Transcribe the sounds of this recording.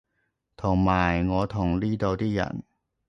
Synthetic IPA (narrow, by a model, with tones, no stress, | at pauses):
t̪ʰɔ˨˩ŋmaː˧˩jŋɔː˨˦t̪ʰɔ˨˩ŋliː˥˩d̪ɔ˧wt̪ʰiː˥˩ja̰˨˩ŋ